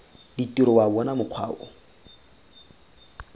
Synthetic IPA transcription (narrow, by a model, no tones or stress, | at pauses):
ditiɾɔwabɔnamʊq͡χʰwa̰ːɔ̰